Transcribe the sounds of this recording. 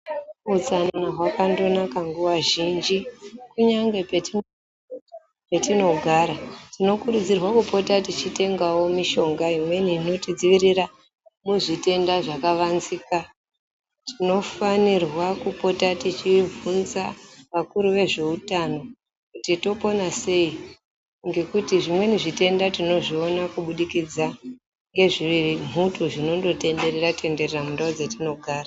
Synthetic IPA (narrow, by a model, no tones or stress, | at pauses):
ut͡sannaɦwakando̞nakaŋɡuwaʒind͡ʒikuɲaŋɡe̞peti | petino̞ɡʱaɾatino̞kuɾud͡zirwakupo̞tatit͡ʃite̞ŋɡawo̞miʃo̞ŋɡaimwe̞nino̞tid͡ziʋiɾira | muʐite̞ndaʐakaʋanzika | tʰino̞fanirwakupo̞tatit͡ʃib͡vunzaʋakuɾuʋe̞ʐe̞utano̞ | kutito̞po̞nase̞i | ŋɡe̞kutiʐimwe̞niʐite̞ndatino̞ʐionakuɓuɗikid͡za | ŋɡe̞ʐiirim̤utuʐino̞ndo̞te̞nde̞rerate̞nde̞reramundaod͡zetino̞ɡʱaːra